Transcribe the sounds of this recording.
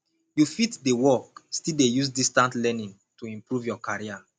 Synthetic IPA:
jufitdewɔkstildejusdistãntlɛnĩn | tuĩmpɹuvjɔkaɹia

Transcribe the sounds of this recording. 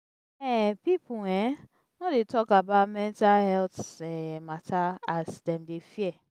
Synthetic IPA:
ɛpipuɛ̃ | nɔdetɔkabaʊtmɛ̃ntahɛltɛmatʰaasdɛ̃mdefiɛ

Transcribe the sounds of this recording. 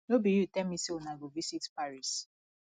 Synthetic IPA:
nobijutɛmiseonaɡovisitpaɹis

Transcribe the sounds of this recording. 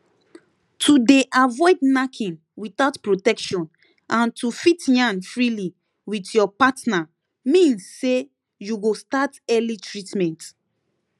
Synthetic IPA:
tʰudeʔavɔɪdnakʰĩn | wiθaʊtpɹotɛkʃɔ̃n | ãntʰufitjãnfɹili | witjɔpatna | mĩnsːe | juɡostatɛlitʰɹitmɛ̃nt

